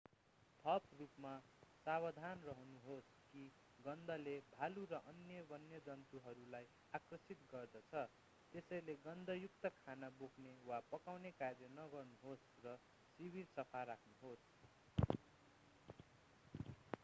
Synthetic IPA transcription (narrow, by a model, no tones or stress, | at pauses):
t̪ʰʌprupmasabʌd̪ʱanrʌɦʌnuɦos | ki | ɡʌnd̪ʱʌlebʱaluɾʌʔʌnjʌbʌnjʌd͡zʌnt̪uɦʌɾulaj | akrʌsit̪ɡʌrd̪ʌt͡sʰʌ | t̪esʌjleɡʌnd̪ʱʌjukt̪ʌkʰanaboknewapʌkawnekarjʌnʌɡʌrnuɦos | rʌ | sibirsʌpʰarakʰnuɦos